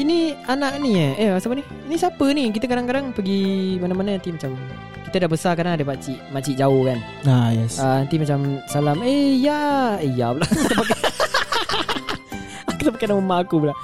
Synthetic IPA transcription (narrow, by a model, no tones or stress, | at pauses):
inianaʔniəeasapəni | inisapənik̬it̪əkadaŋkadaŋpəɡimanamanaant̪imat͡ʃam | kit̪ədabəsakadaŋadəpaʔt͡ʃiʔmaʔt͡ʃiʔd͡ʒaohkan | ajɛsəant̪imat͡ʃamsalamejaəjabəlat̪əpak | akut̪apakanaməmaʔːkubəla